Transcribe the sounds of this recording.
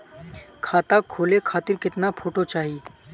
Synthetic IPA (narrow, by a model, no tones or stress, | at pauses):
kʰaːt̪akʰoːlekʰaːt̪ɪɾkɪt̪napʰoːʈot͡ʃaːɦi